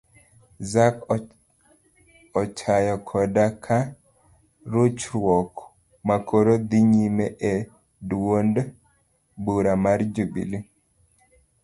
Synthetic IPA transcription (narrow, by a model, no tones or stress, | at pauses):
zak | ɔt͡ʃajɔkʰɔdakʰa | ɾut͡ʃɾwɔk | makʰoɾod̪iɲimeʔe | dwond | buɾamaɾd͡ʒubḭli